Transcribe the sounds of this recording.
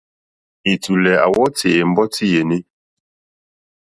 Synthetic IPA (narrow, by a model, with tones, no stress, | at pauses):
i˨tu˨lɛ˨a̰˨wɔ˦te˨m̩˦bɔ˦ti˦je˨ni˦